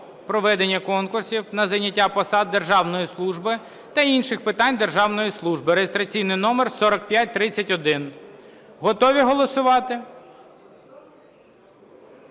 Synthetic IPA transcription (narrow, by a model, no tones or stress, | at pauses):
pɾɔʋɛd̪enʲːɐkɔnkʊrsʲiwnɐzɐjnʲːɐtʲːapɔsɑd̪̚ːerʒɑwnɔjislˠuʒbɪ | t̪ɐinʃɪxpɪt̪ɑnʲd̪erʒɑwnɔjislˠuʒbɪɾejest̪ɾɐt͡sʲijnɪjnɔmersɔɾɐkpʲjat̚ʲt̪ɾɪt͡sʲːɐtʲɔd̪ɪn | ɦɔt̪ɔʋʲiɦɔlˠɔsʊʋɑt̪ɪ